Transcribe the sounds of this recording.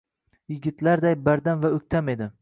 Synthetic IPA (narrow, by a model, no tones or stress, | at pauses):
jɪɡʲɪt̪ʰlaɾd̪ajbaɾd̪amvaɵkʲt̪ʰame̞d̪ɪ